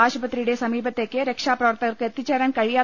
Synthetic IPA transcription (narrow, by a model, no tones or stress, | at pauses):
aːʃpɐt̪ɾiɽesɐmiːbʱɐt̪ːekːeɾekʂaːpɾɐʋɐɾt̪ɐɾkɐt̪it͡ʃɐɾɐnkɐɻijaː